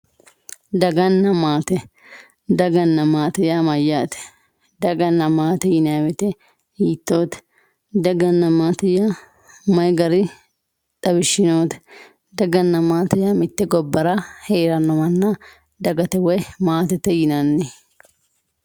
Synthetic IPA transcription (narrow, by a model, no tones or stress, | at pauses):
d̪ɐɡɐnːɐmaːt̪ɛ | d̪ɐɡɐnːɐmaːt̪ɛjamɐjːaːt̪ɛ̥ | d̪ɐɡɐnːɐmaːt̪ɛjɪnawɛt̪ɛ | hiːt̪ːoːt̪ɛ̥ | d̪ɐɡɐnːɐmaːt̪ɛjaː | mɐjɡɐɾɪ | t̪ʼɐbɪʃːɪnoːt̪ɛ̥ | d̪ɐɡɐnːɐmaːt̪ɛjaːmɪt̪ːɛɡɔbːɐɾɐheːɾɐnːɐmɐnːɐ | d̪ɐɡɐt̪ɛwɔjmaːt̪ɛt̪ɛjɪnɐnːɛ